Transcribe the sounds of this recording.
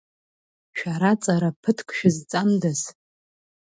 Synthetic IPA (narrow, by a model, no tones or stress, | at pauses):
ʃᶣaɾat͡sʼaɾapʰɨtʰkʷʼʰʃᶣɪzt͡sʼamdaz